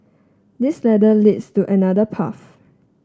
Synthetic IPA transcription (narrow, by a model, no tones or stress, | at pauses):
dislɛdəlidstuʔɛnadəpʰa̰f